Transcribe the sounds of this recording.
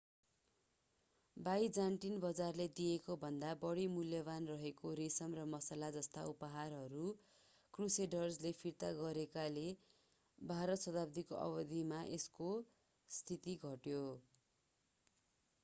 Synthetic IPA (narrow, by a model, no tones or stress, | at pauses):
bajd͡zaɳʈinbʌd͡zarled̪ijekobʱʌnd̪abʌɽimuljʌbanrʌɦekoɾisʌmrʌmʌsalad͡zʌst̪aupʌɦarɦʌɾu | kruseɖʌrslepʰirt̪aɡʌɾekale | bʱaɾʌt̪sʌd̪apd̪ikoʔʌ̰bʌd̪ʱimaʔesko | st̪ʰit̪iɡʱʌʈjo